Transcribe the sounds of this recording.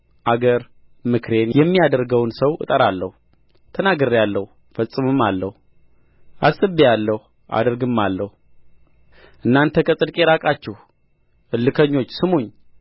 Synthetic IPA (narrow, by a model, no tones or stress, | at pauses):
ʔaɡəɾ | mɨkʰɾe̞njɛmːijad̪əɾɡəwnsəwʔɨ̰t̪ʼəɾalːəhu | t̪ʰənaɡɨɾːjalːəhu | fəsʼɨmɨmːalːəhu | ʔasʼɨbejalːəhu | ʔa̰d̪əɾɡɨmːalːəhu | ʔɨnːant̪ʰəkʰəsʼɨd̪kʼeɾakʼat͡ʃːɛh | ʔɨlːɨkʰəɲːo̞t͡ʃːsɨmoɲː